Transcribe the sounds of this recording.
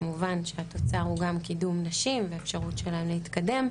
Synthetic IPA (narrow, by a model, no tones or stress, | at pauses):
muvanʃeato̞t͡saʁhuɡamkidumnaʃimveefʃaʁutʃelaemleit̪kade̞m